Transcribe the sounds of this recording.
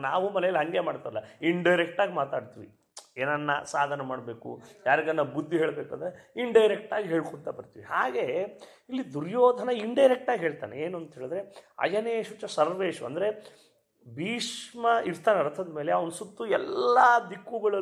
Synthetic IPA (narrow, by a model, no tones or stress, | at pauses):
naːʋumɐlɛjɐliɦɐŋɡemaːɖt̪aːɾɐlːɐiɳɖɐjɾek̚ʈaːɡimaːt̪aːɖt̪iʋi | eːnɐnːɐ̰saːd̪ʱɐnɐmaːɖbe̞ːkṵjaːɾiɡɐnːɐbud̪ʱːiɦeːɭbeːkuɐnd̪ɐɾeiɳɖɐjɾek̚ʈaːɡiɦeːɭkoɳt̪ɐbɐɾt̪iʋihaːɡe̞ | ilːid̪uɾjoːd̪ʱɐnɐiɳɖɐjɾek̚ʈaːɡiɦe̞ːɭt̪aːneeːnuɐnt̪ɦeːɭd̪ɾe̞ɐ̰d͡ʒɐneːʂut͡ʃːɐsɐɾʋeːʂuɐ̰nd̪ɾe | bʱiːʂmɐiɾt̪ʰaːneɐɾɐt̪ʰɐd̪me̞ːleɐʋɐnɐsut̪ːuɛlːad̪ikːuɡɐɭɐ